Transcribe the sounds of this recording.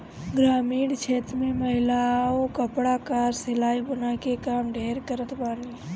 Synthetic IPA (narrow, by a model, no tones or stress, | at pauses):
ɡɾaːmiːɽt͡ʃʰeːt̪ɾmẽməɦɪlaokəpɽakaːɾsɪlaːibənakekaːmɖʱeːɾkəɾət̪baːli